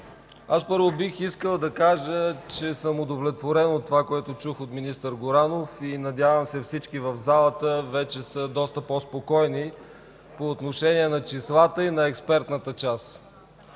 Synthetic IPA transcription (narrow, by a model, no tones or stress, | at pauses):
aspɤɾvobixiskəlˠd̪ɐkaʒət͡ʃɛsəmod̪ovlʲɛt̪voɾɛnot̪ːovakoɛt̪ot͡ʃuxot̪minist̪əɾɡoɾanofinɐd̪ʲjavəmsɛfsit͡ʃkivəvzalˠət̪əvɛt͡ʃɛsəd̪ɔst̪əpɔspokɔjni | poːt̪noʃɛniɛnɐt͡ʃislˠat̪əinɐɛkspɛɾt̪nət̪ət͡ʃas